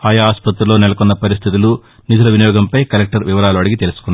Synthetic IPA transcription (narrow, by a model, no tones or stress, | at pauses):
aːjɐaːspɐt̪ɾɐlo̞ːnɛlɐkunːɐpɐɾist̪ʰit̪̬ulu | nid̪ʱɐlɐʋinijɔːɡɐmpɐjkɐlek̚ʈɐɾʋiʋɐɾaːluɐɽiɡit̪e̞lusu̥kunː